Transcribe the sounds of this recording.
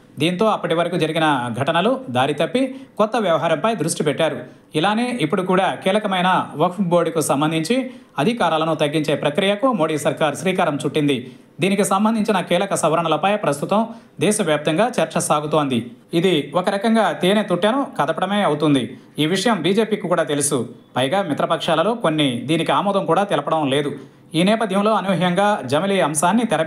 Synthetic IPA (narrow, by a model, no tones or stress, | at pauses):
d̪iːnt̪o̞ːɐpːɐʈiʋɐɾɐkud͡ʒɐɾiɡinɐɡʱɐʈɐnɐlud̪aːɾit̪ɐpːikɔt̪ːɐʋjɐʋɐɦaːɾɐmpɐjd̪ɾuʂʈipɛʈːaːɾu | ilaːne̞ːʔipːuɽukuːɽaːkiːlɐkɐmɐjnɐʋɐkʂboːɽikusɐmbɐnd̪ʱiɲt͡ʃiɐd̪ʱikaːɾaːlɐnut̪ɐɡːiɲt͡ʃe̞ːpɾɐkɾijɐkumo̞ːɽiːsɐɾkaːɾsɾiːkaːɾɐmt͡ʃuʈːind̪i | d̪iːnikisɐmbɐnd̪ʱiɲt͡ʃinɐkiːlɐkɐsɐʋɐɾɐɳɐlɐpɐjpɾɐst̪ut̪ɐm | d̪ɛːʃɐʋjaːp̚t̪ɐŋɡaːt͡ʃɐɾt͡ʃɐsaːɡut̪o̞ːnd̪iid̪iɔkɐɾɐkɐŋɡaːt̪iːnet̪uʈjɐnukɐd̪ɐpɐɽɐmeːɐwut̪und̪i | iːʋiʂɐjɐmbiːd͡ʒe̞ːpiːkikuːɽaːt̪e̞lusupɐjɡaːmit̪ɾɐpɐkʂaːlɐlo̞ːkonːid̪iːnikiaːmɔːd̪ɐmkuːɽaːt̪ɛlɐpɐɽɐmle̞ːd̪u | iːnɛːpɐd̪ʱjɐmlo̞ːɐnuʋɐɦjɐŋɡaːd͡ʒɐmɐliɐmsaːnːit̪ɛɾɐ